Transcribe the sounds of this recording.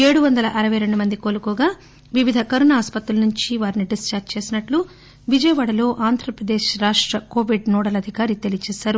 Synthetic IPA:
e̞ːɽuʋɐnd̪ɐlɐʔɐɾɐʋɐjɾe̞ɳɖumɐnd̪ikoːlukɔːɡaː | ʋiʋid̪ʱɐkɐɾunaːspɐt̪ɾulɐnuɲt͡ʃiʋaːɾiniɖist͡ʃaːt͡ʃe̞ːsinɐʈlu | ʋid͡ʒɐjɐʋaːɽɐlo̞ːʔaːnd̪ʱɾɐpɾɐd̪eːʃɾaːʂʈɾɐkoːʋiɖnɔːɽɐlɐd̪ʱikaːɾit̪elit͡ʃɛːʃaːɾu

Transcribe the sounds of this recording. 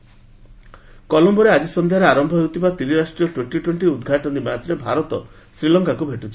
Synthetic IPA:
kɔlɔmbɔɾead͡ʒisɔnd̪ʱijaɾeaɾɔmbʱɔɦewt̪ʰibat̪iɾiɾasʈɾijɔʈweɳʈiʈweɳʈiud̪ɡʱaʈɔnimat̪ɾebʱa̰ɾɔt̪ɔ̰ | sɾilɔŋkakubʱeʈut͡ʃʰi̥

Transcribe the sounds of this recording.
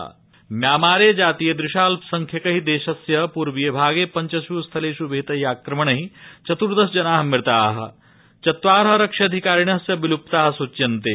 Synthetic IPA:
mjaːmaːɾeːd͡ʒaːt̪ijɐd̪ɾɪʃaːlsɐŋkʰjɐkɐɦid̪eːʃɐsjɐpuːɾʋijɐbʱaːɡeːpɐɲt͡ʃɐsjuːst̪ʰɐleːʃubʱeːt̪ɐɦjaːkɾɐmɐɳɐɦit͡ʃɐt̪uɾd̪ɐsd͡ʒɐnaːɦmɪɾt̪aːɦɐ̰̆ | t͡ʃɐt̪ʋaːɾɦɐɾɐkʂɐɐd̪ʱikaːɾiɳɐsjɐbilupt̪aːɦɐ̆sut͡ʃːjɐnt̪eː

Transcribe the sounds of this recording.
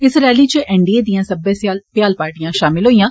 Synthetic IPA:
ɪsɾɛːliːt͡ʃəʔɛ̃ːɳɖieːd̪ijãːsəbɛ̃ːsaːlpjaːlpaːɾʈijãːʃaːmɪlɦoːijãː

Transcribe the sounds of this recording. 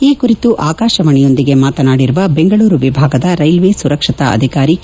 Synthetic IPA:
iːkuɾit̪uʔaːkaːʃɐʋɐɳɛjo̞nd̪iɡe̞maːt̪ɐnaːɽiɾuʋɐbe̞ŋɡɐɭuːɾuʋibʱaːɡɐd̪ɐɾɐjlʋeːsuɾɐkʂɐt̪ɐ̰ɐ̰d̪ʱikaːɾi

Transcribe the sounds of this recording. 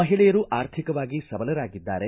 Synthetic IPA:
ɐɦiɭɛjɐɾuʔaːɾt̪ʰikɐʋaːɡisɐbɐlɐɾaːɡid̪ːaːɾe

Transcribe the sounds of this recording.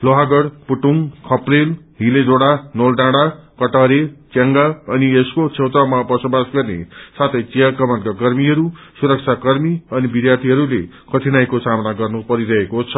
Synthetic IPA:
loɦaɡʌɽpuʈuŋkʰʌprel | ɦiled͡zoɽanolɖãɽakʌʈaɾet͡saŋɡaʌnieskot͡sʰewt̪awmabʌsobasɡʌrnḛsat̪ʰʌjt͡siakʌmʌnkakʌɾmiɦʌɾu | suɾʌk̚t͡sʰakʌɾmiʌnibid̪jat̪ʰiɦʌɾule | kʌʈʰinajkosamnaɡʌrnupʌɾiɾʌɦekot͡sʰʌ

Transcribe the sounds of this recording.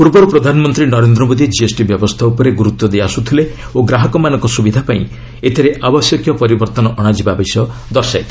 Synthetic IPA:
puɾbɔɾupɾɔd̪ʱanɔmɔnt̪ɾinɔɾend̪ɾɔmod̪id͡ʒiesʈibjɔbɔst̪ʰaupɔɾeɡuɾut̪wɔd̪ejasut̪ʰile | oɡɾaɦɔkɔmanɔ̃ŋkɔsubid̪ʱapaĩ | et̪ʰiɾeʔabɔsjɔkʰjɔpɔɾibɔɾt̪ɔnɔʔɔɽ̃ad͡ʒibabesjɔd̪ɔɾsat̪ʰ

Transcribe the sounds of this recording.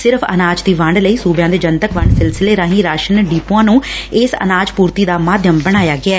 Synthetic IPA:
sɪɾpʰə̰naːd͡ʒt̪iːʋəɳɖləiːsuːbjãːd̪eːd͡ʒənt̪əkʋəɳɖsɪlsɪleːɾãːɦĩːɾaːʃənɖiːpuãːnũːɪsə̰naːd͡ʒpuːɾt̪iːd̪aːmaːd̪ʱjəmbəɽ̃aːjaːɡɪaː

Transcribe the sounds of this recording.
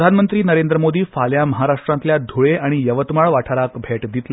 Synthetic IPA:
d̪ʱanmənt̪ɾiːnəɾend̪ɾəmod̪iːfaljaməɦaɾaʂʈɾant̪ljad̪ʱoɭeʔaɽ̃ijəʋət̪maɭʋaʈʰaɾakbʱeʈd̪it̪l

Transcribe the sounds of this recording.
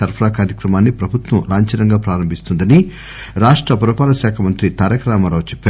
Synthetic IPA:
ɐɾpʰɐɾaːkaːɾjɐkɾɐmaːnːipɾɐbʱut̪ʋɐmlaːɲt͡ʃɐnɐŋɡaːpɾaːɾɐmbʱist̪und̪ɐni | ɾaːʂʈɾɐpuɾɐpaːlɐʃaːkʰɐmɐnt̪ɾit̪aːɾɐkɾaːmɐɾɐːt͡ʃɛpːa

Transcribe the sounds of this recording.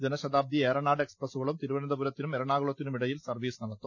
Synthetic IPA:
d͡ʑenɐɕɐd̪aːb̚d̪ʱieːɾɐɳaːɖe̞ksprɐsuɣɐɭumt̪iɾuʋɐnɐnd̪ɐbuɾɐt̪ːinumeɾɐɳaːɣuɭɐt̪ːinumiɽɐjilsɐrʋiːsɨnɐɽɐt̪ːu

